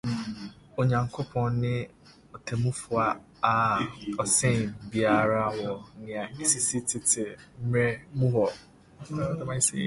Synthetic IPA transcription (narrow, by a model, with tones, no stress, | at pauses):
o˨ɲã˨ŋkʰo˦pʰɔ̃˨nnɪ̃˦ | ɔ˨tʰe˨mũ˦fʊ˨˦a˨ | a˨ɔ˨sẽ˦˨nbi˨a˨ɾa˦wɔ˨nɪ̃˨a˨i˦si˨si˦tʰɪ˦tʰɪ˨m̩˦mɾe˦mũ˦ɦɔ˨˦˨ | da˦mã˦i˦sḛ˦